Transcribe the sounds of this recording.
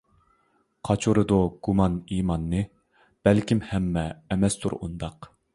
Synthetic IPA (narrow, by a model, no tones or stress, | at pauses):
qʰɑt͡ʃʰuɾɨd̪oɡ̥umɑniːmɑnːɨ | b̥ɛlkʲimhɛmːɛːmɛst̪ʰṵɾṵnd̪ɑq